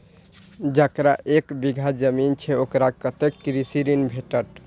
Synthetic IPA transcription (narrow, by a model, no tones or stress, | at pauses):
d͡ʒakɾaʔekbiɡʱad͡ʒəmint͡ʃʰeokɾakət̪ekːɾisiɾinbʱeʈəɾ